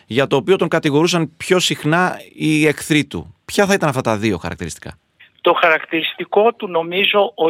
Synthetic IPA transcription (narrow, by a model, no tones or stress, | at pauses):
ʝɐt̪o̞ːpio̞t̪o̞ŋkɐt̪iɣo̞ɾusɐnpço̞sixnɐie̞kθɾit̪ṵpçɐθɐit̪ɐnɐft̪ɐt̪ɐðio̞xɐ̰ɾɐ̰k̚t̪iɾist̪i̥kɐ̰ | t̪o̞xɐɾɐkt̪iɾist̪iko̞t̪uno̞mizo̞o